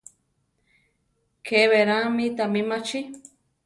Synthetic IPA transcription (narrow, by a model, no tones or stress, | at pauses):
kʰeβeɾamĩt̪amimat͡ʃi